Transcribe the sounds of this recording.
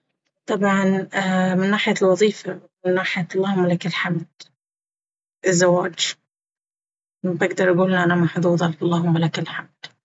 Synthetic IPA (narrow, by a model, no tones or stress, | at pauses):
t̪ˤɑbʕɑnːmɪnːaːħɪjalwɑðˤiːfamɪnːaːħɪjalˤːɑːhʊmːalakɪlħamd̪̚ | ʔɪzːawaːd͡ʒ | nbʔɪɡd̪ɑɾˤʔaɡuːlɪnʔanamaħd̪ˤuːðˤɑlkɑlˤːɑːɦʊmːalakalħamd̪̥